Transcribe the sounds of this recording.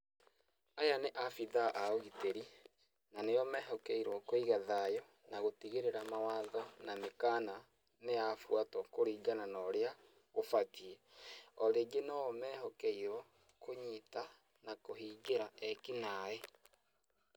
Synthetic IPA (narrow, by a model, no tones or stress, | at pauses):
ajaneʔafiðaʔaoɣiteɾi | nanejɔmɛɦɔkɛiɾwɔkoiɣaðajɔ | naɣotiɣeɾeɾamawaðɔnamekaːna | neafwatɔkoɾiːɡananɔɾea | ofatiɛɔɾeɡenɔɔmɛːɦɔkɛiɾɔ | koɲita | nakohiːɡeɾaɛkinaɛ